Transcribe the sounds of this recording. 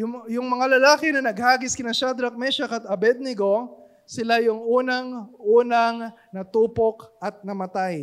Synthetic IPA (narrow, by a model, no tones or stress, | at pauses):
jʊjʊŋmɐŋalɐlaːkɪnɐnɐɡ̚haːɡɪskɪnɐʃad̪ɾɐk̚mɛʃɐkɐt̪ɐbɛd̪̚nɪɡo̞ | sɪlajʊŋʔuːnɐŋʔuːnɐŋ | nɐt̪uːpokʔɐt̪̚nɐmɐt̪aj